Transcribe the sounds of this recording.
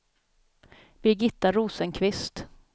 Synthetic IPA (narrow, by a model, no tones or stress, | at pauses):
b̥ɪɡɪt̪ːaɾuːsənkʰvɪst̪